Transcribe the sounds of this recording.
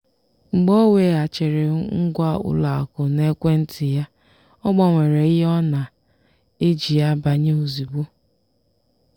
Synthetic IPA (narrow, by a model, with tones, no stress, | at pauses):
ŋ͡m̩˨ɡ͡bɔ˦we˨a˨t͡ʃe˨ɾe˨ŋ̩˦ɡʷa˦ʊ̰˦la˨a̰˨kʊ˨ne˦kʷe˦n̩˦tʰɪ˨ja˦ | ɔ˦ɡ͡bɔ˨ŋʷe˨ɾe˨ɪ˦ɦe˦ɔ˦na˨ | e˦d͡ʒi˨ja˦ba˨ɲe˦o˨zi˨ɡ͡bu˦